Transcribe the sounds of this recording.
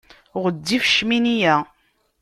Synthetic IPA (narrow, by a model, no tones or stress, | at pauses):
ʁəd̪ːifʃminijæ